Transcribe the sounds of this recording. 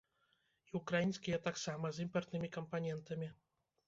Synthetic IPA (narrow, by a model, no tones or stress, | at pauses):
iukɾajinʲsʲkʲijɐt̪aksamɐzimpɐrt̪nɨmʲikɐmpanʲɛnt̪ɐmʲi